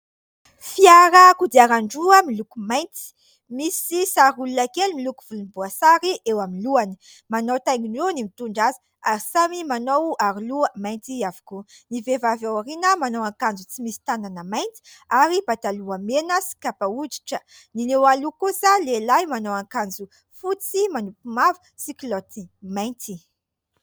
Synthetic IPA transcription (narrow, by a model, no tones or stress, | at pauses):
fiaɾakud̪iaɾaɳɖ͡ʐuəmilukumajnt͡si̥ | misisaɾulunakelmilukuv̥ulunbuasaɾiʔewaminluanə̥manowt̪ajŋiɳɖ͡ʐenimit̪uɳɖ͡ʐazə̥ | aɾisamimanowaɾiluəmajnt͡s̪iavu̥kunivevavawaɾinəmanowaŋkand͡zut͡simisi̥t̪ananəmajnt̪i̥aɾibat̪aluamenəsi̥kapaud͡ʒi̥ʈ͡ʂə | ninewalukusalelajmanowaŋkand͡zu | fut͡simanupumavu̥ | siklɔt̪imajnt̪i